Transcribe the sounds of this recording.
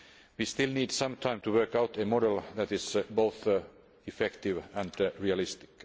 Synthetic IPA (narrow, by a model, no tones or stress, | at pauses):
wiːst̪ɪlniːdsʌ̃mtʰãɪ̃mt̪ʰuwɜ˞kaʊtəmɔɾəlˠðætɪzboʊθ | ɨfɛkt̪ɪvæ̃ndɹialɪst̪ɪ̥k